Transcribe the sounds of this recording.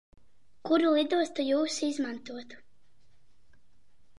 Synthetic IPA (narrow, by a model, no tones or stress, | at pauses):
kuɾulˠid̪uɔst̪ajuːsizmant̪uɔt̪